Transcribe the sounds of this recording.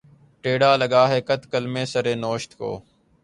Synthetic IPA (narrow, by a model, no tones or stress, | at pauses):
ʈeːɽaːləɠaːɦeːkət̪kəlmẽːsəɾeːnoːʃt̪ko̰ː